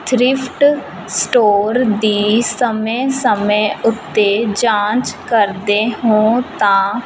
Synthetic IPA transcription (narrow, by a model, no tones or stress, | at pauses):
t̪ʰɾɪpʰʈ | sʈoːɾd̪iːsəmẽːsəmẽːʊt̪ːeːd͡ʒãːt͡ʃkəɾd̪eːɦõːt̪ãː